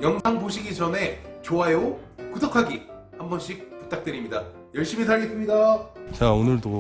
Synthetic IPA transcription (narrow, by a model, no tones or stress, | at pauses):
jʌŋsʰaŋboɕʰiɡit͡ɕʌne̞t͡ɕoaeokudokʰaɡi | hambʌnɕʰik̚pu̥t͈ak̚t͈eɾimɲida | jʌɭɕ͈imis̬aʎːikʰɯmɲidat͡ɕaonɯɭdo